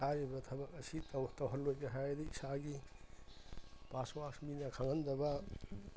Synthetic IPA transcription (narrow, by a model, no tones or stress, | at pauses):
haɾibɐtʰɐbɐkɐsittɐwɦɐlːojkeɦajdiisaɡi | paswaksminakʰaŋɐnd̪ɐbɐ